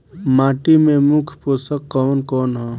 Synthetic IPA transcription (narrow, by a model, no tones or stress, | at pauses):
maːʈimẽmʊkʰpoːsəkːɔːnkɔːnɦɛ